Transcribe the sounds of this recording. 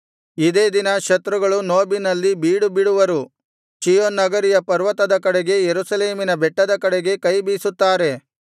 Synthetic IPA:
id̪e̞ːd̪inɐʃɐt̪ɾuɡɐɭunoːbinɐlːibiːɽubiɽuʋɐɾu | t͡ʃijonːɐɡɐɾijɐpɐɾʋɐt̪ɐd̪ɐkɐɽeɡe̞jeɾusɐle̞ːminɐbɛʈːɐd̪ɐkɐɽeɡe̞kɐjbiːsut̪ːaːɾe̞

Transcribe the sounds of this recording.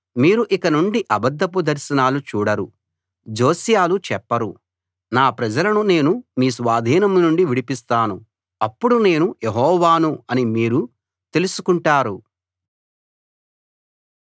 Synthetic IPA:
miːɾuʔikɐnuɳɖiʔɐbɐd̪ʱːɐp̬ud̪ɐɾʃɐnaːlut͡ʃuːɽɐɾṵ | d͡ʒo̞ːsijaːlut͡ʃɛpːɐɾṵ | naːpɾɐd͡ʒɐlɐnune̞ːnumiːsʋaːd̪ʱiːnɐmnuɳɖiʋiɽipist̪aːnu | ɐpːuɽune̞ːnujeɦɔːʋaːnuɐnimiːɾu | t̪e̞lusukuɳʈaːɾu

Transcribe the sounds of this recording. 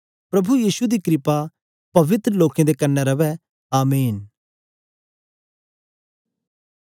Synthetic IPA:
pɾɐbujiːsud̪ikɾɪpa | pɐʋɪt̪ɾəloːkẽd̪ekɐnːɛɾɐʋɛ | aːmeːn

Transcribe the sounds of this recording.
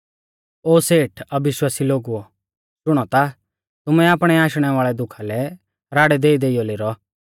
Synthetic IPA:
oːseːʈʰɐbɪʃwaːsiloːɡuɔ | ʃʊɽ̃ɔt̪a | t̪ʊmɛaːpɽ̃ɛaːʃɽ̃ɛʋaːɭɛd̪ʊkʰalɛ | ɾaːɽɛd̪eːid̪eːijɔleɾɔ

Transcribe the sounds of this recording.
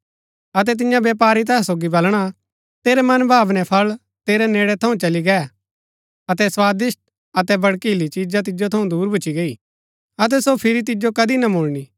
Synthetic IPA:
ɐt̪̬ɛt̪̬ɪjãbeːpaːɾit̪̬ɛːɛ̃soːɡibɐlɽ̃a | t̪eːɾɛmɐnbʱaːbnɛpʰɐl | t̪eːɾɛneːɽɛt̪ʰɐũt͡ʃɐliɡɛː | ɐt̪ɛswaːd̪ɪsʈ̚ | ɐt̪ɛbɐɽkiːlit͡ʃiːd͡ʒat̪̬ɪd͡ʒot̪ʰɐũd̪uːɾbʱʊt͡ʃːiɡɐi | ɐt̪̬ɛsopʰɪɾit̪̬ɪd͡ʒokɐd̪inɐmoːɭni

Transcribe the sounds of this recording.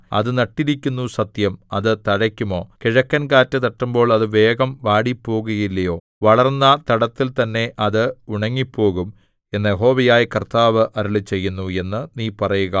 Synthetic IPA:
ɐ̰ðɨnɐʈːiɾikʲːunːusɐt̪jɐmɐðɨt̪ɐɻɐkʲːumo̞ːkiɻɐkːɐnkaːtːɨt̪ɐʈːumbo̞ːɭɐðɨʋe̞ːɡɐmʋaːɽipːo̞ːɣuɣɐilːɐjo̞ː | ʋɐɭɐrnːɐt̪ɐɽɐt̪ːilt̪ɐnːe̞ʔɐðɨuɳɐŋːipːo̞ːɣum | e̞nːɐjeɦo̞ːʋɐjaːjikɐrt̪aːʋɨʔɐɾuɭit͡ɕe̞jːunːue̞nːɨniːpɐrɐjuɣɐ

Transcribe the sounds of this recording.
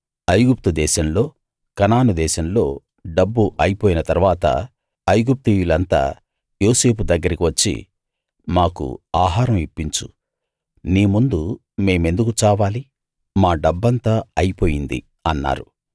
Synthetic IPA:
ɐjɡup̚t̪ud̪ɛːʃɐmlo̞ː | kɐnaːnud̪ɛːʃɐmlo̞ː | ɖɐbːuʔɐjipoːjinɐt̪ɐɾuʋaːt̪ɐ̰ | ɐjɡup̚t̪iːjulɐnt̪a̰ː | jo̞ːse̞ːpud̪ɐɡːɐɾikiʋɐt͡ʃːḭ | maːkṵaːɦaːɾɐmipːiɲt͡ʃṵ | niːmund̪u | me̞ːme̞nd̪ukut͡ʃaːʋaːli | maːɖɐbːɐnt̪aːɐjipo̞ːjind̪ḭ | ɐnːa̰ːɾu

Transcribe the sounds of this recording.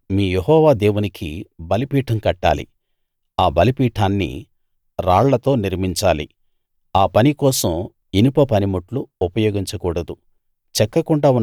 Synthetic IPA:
miːjeɦɔːʋaːd̪eːwunikʰibɐlipiːʈʰɐmkɐʈːa̰ːlḭ | aːbɐlipiːʈʰaːnːḭ | ɾaːɭlɐt̪o̞ːniɾmiɲt͡ʃaːlḭ | aːpɐnikɔːsɐm | inupɐpɐnimuʈluupɐjoːɡiɲt͡ʃɐkuːɽɐd̪u | t͡ʃɛkːɐkuɳɖaːunː

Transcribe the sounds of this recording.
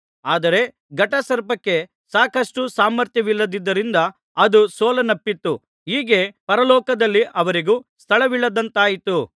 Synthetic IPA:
aːd̪ɐɾe̞ | ɡɐʈɐsɐɾpɐkːe̞ | saːkɐʂʈusaːmːɐɾt̪jɐʋilːɐd̪id̪ːɐɾind̪ɐ | ɐd̪usɔːlɐnɐpːit̪ːu | ɦiːɡe̞pɐɾɐlɔːkɐd̪ɐlːiʔɐʋɐɾiɡuːst̪ʰɐɭɐʋiɭːɐd̪ɐnt̪aːjit̪u

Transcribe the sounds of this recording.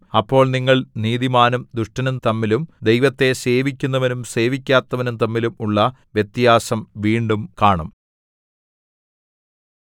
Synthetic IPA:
ɐpːo̞ːɭniŋːɐɭniːðimaːnumd̪uʂʈɐnumt̪ɐmːilumd̪ejʋɐt̪ːe̞se̞ːʋikʲːunːɐʋɐnumse̞ːʋikʲːaːt̪ːɐʋɐnumt̪ɐmːilumuɭːɐʋjet̪ːijaːsɐmʋiːɳɖumkaːɳɐm

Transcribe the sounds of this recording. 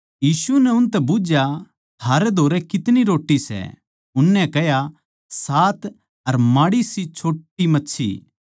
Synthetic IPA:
jiːsunɛʊnt̪ɛbʊd͡ʒja | t̪ʰaːɾɛd̪ʱoːɾɛkɪt̪niɾoːʈːisɛ̰ | ʊnːɛ̃kɛɦja | saːt̪ | ɐɾmaːɽisit͡ʃʰoːʈːimɐtːʃʰḭ

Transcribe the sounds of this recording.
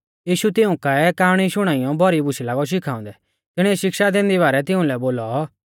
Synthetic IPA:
jiːʃut̪ɪũkaɛkaːɽ̃iʃʊɽ̃aːijɔ̃bʱɔɾibʊʃʰilaːɡɔʃ̬ɪkʰaːʊ̰̃nd̪ɛ | t̪ɪɽ̃iɛʃɪkʃad̪ẽːnd̪iβaːɾɛt̪ɪũlɛboːlɔ

